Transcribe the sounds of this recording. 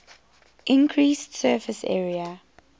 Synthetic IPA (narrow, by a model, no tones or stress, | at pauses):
ʔɪ̃nkʰɹiːstsɜːfɪsɛ̰ːɹiə